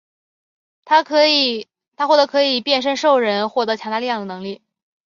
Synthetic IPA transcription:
t̪ʰa˥kʰ | t̪ʰa˥xwɔ˥˩t̪ɤ˧˥kʰɤ˧˥i˨˩pjɛ˥˩nʂ̬ə˥nʂo˥˩ʊɻə˧˥nxwɔ˥˩t̪ɤ˧˥t͡ɕʰjɑ˧˥ŋt̪a˥˧li˥˧jɑ˥˩ŋd̪ə˩nɤ˧˥ŋli˥˩

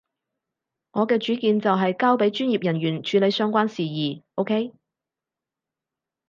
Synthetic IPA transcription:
ŋɔː˨˧kɛː˧t͡ʃyː˨˥kiː˧nt͡sɐ˨wɦɐ˨jkaː˥wpe˨˥jt͡ʃyː˥njiː˨˩p̚jɐ˨˩njyː˨˩nt͡ʃʰyː˨˥le˨˧jsœː˥ŋkʷaː˥nsiː˨jiː˨˩ʔo˥wkʰe˥j

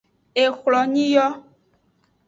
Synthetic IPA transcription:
e˨xlɔ˨ɲĩ˦jɔ˦

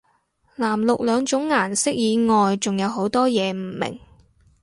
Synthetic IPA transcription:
laː˨˩mlʊ˨k̚lœː˨˧ŋt͡ʃʊ˨˥ŋːaː˨˩nsɪ˥k̚jiː˨˧ŋɔː˨jt͡sʊ˨ŋjɐ˨˧wɦo˨˥wt̪ɔː˥jɛː˨˧m̩˨˩mɪ̰˨˩ŋ

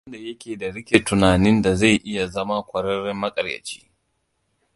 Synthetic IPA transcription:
ɐ˦nda˨jɐ˦kʲeː˨da˨ɽɪ˦kʲe˨tʊ˨naː˨nɪ˦nda˨za˦˨jʔɪ˦ja˨zɐ˦ma˦kʷɐ˨ɽɐ˦ɾɪ˦mːɐ˦kʼɐ˨rjɐ̰˨t͡ʃi̥̰ː˦

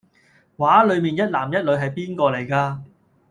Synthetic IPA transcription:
waː˨˥lɵ˨˧ɥmiː˨njɐ˥t̚laː˨˩mjɐ˥t̚lɵ˨˧ɥɦɐ˨jpiː˥nkɔː˧le˨˩jkaː˧

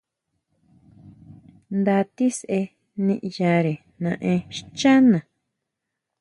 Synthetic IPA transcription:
nd̪a˧t̪i˦sʔe˧ | nĩ˧ʔja˧ɾe˨ | nã˧ʔẽ˧ʃt͡ʃa˦nã˨

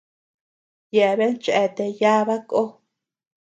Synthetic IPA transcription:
je˨βe˦nt͡ʃe˧t̪e˨ja˦βa˦kʼo˦

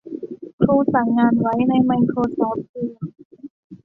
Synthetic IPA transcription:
kʰɾuː˧sa˨˩ŋːaː˧nwa˦˥jna˧jma˧jkʰɾoː˧sɔː˦˥p̚siː˧˩

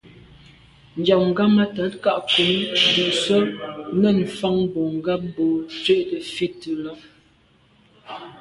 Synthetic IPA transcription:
n̩˨d͡ʒa˨ŋ̩˨ɡa˦ma˦ta˨˦tka˦ʔku˨˦nbu˨ʔsə˦nə˦˨n̩˨fa˦ŋbo˨ŋ̩˨ɡa˦m˦bo˨t͡sɥe˦˨ʔtə˨fi˦tə˨lɔ˦

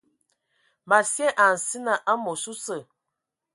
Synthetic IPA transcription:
ma˨sjɛ˦ʔa˨n̩˨si˦na˨ʔa˦mo˨su˦sə˨

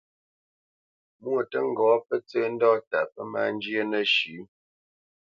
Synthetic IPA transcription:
mwo˨tə˦ŋ˦ɡɔ˨˦pə˦t͡səː˦n̩˦dɔ˦ta̰˨pə˦ma̰˦˨n˦d͡ʒjə˦nə˦ʃʉ˨˦

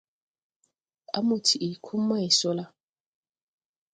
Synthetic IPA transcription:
a̰˦mo˨tʰi˨ʔe˨kʰu˦mː˦a˦e˨sɔ˦la˦

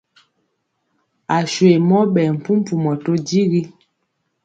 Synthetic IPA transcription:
a˨ʃwe˨mɔ˦ɓɛ˨m̩˨pu˦m̩˦pu˨mɔ˨to˦di˦ɣi˦

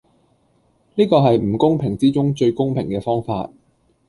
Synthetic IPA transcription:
niː˥kɔː˧ɦɐ˨jm̩˨˩kʊ˥ŋpʰɪ˨˩ŋt͡siː˥t͡sʊ˥ŋt͡ʃɵ˧ɥkʊ˥ŋpʰɪ̰˨˩ŋkɛː˧fɔː˥ŋfa̰ː˧t̚

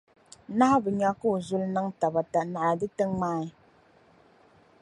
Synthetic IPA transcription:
na˦a˦bɨ˨ɲa˦ku˦˨zu˦lna˦ŋta˨ba˨ta˨na˨ʔa˨dɨ˦tə˦ŋmaː˦ɪ˦

